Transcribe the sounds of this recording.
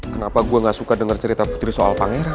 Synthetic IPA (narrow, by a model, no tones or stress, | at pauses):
kənapaɡuaŋɡaʔsukadəŋərt͡ʃəɾit̪apu̥t̪ɾisoa̰lpaŋeɾa